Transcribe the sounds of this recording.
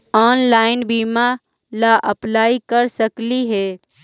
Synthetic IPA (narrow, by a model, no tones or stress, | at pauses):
aːnlaːɪnbiːma | laʔəplaːikəɾsəkliɦɛ